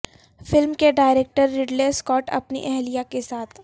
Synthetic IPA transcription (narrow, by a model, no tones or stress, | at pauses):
fɪlmkeɖaːɪɾeːk̚ʈəɾːɪɖleskɔːʈɐ̰pnḭʔɛɦlijakesaːt̪ʰ